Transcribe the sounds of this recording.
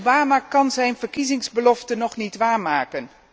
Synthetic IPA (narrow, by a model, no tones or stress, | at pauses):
baːmaːkɑnzɛjnvəɹkizɪŋzbəlɔftənɔχnitʋaːɹmaːkən